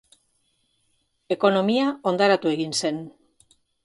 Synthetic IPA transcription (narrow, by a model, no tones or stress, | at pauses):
e̞ko̞no̞miao̞nd̪aɾat̪ue̞ɣinse̞n